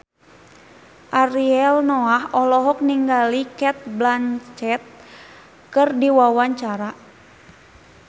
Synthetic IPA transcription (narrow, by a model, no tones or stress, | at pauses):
ʔaɾiɛlnɔahɔlɔɦɔk̚niŋɡalikɛt̪̚blant͡ʃɛt̪̚ | kɨrdiwawaɲt͡ʃaɾa